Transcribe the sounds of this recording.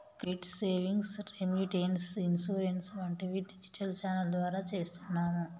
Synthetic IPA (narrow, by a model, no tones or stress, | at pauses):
kɾiʈseːʋiŋɡsɾemjuʈeːnsinsuːɾensʋɐɳʈeʋiɖid͡ʒi̥ʈʰɐlt͡ʃaːnɐld̪ʋaːɾaːt͡ʃe̞ːst̪unːaːmu